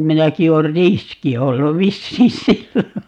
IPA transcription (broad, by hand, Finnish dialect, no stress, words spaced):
minæki oːr riski olːu ʋisːiː silːo